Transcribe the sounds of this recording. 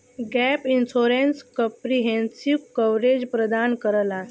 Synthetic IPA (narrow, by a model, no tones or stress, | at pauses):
ɡɛpinsoɾenskəpɾiɦẽnsikəʋɾed͡ʑpɾəd̪ankəɾəla